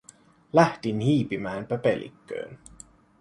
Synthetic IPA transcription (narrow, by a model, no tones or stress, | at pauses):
læht̪inhiːpimæːmpæpelḭkːø̰ːn